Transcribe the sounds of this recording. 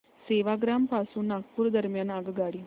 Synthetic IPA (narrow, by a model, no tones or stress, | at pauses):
seːʋaɡɾaːmpaːsuːnak̚puɾd̪əɾmjaːnaɡəɡaːɽi